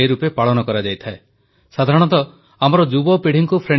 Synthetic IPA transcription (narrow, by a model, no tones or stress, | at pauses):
eɾupepaɭɔnɔkɔɾad͡ʒajt̪ʰae | sad̪ʱaɾɔɽ̃ɔnt̪ɔ | amɔɾɔd͡ʒubɔpeɽ̤iŋkupʰɾe